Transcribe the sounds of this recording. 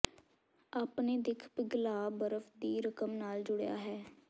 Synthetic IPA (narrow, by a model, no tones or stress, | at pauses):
aːpneːd̪ɪkʰbɪɡlaːbəɾəfd̪iːɾəkəmnaːld͡ʒʊɽeja̰ːɦɛː